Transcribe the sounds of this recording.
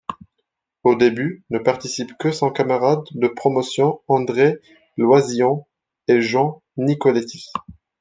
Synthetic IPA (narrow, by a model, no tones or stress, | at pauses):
od̪ebynəpaʁt̪isipkəsɔ̃kamaʁad̪ːəpχɔmɔsjɔ̃ɑ̃d̪ʁe | lwazijɔ̃ | eʒɑ̃ | nikɔlet̪i̥s